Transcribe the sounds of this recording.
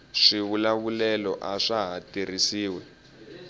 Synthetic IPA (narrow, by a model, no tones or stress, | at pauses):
ʂiβulaβulɛlɔ̰ʔaʂaɦatirisiːwɛ